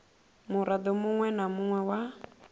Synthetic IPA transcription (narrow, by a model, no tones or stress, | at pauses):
mʊɾad̪ɔmʊŋwɛnamʊŋwɛwa